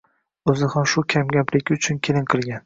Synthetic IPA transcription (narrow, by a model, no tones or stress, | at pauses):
ɵzɪhamʃʊkʲʰamɡʲaplɪɡʲɪʊt͡ʃʰʊnkʲʰelɪnqʰɨlˠɡʲan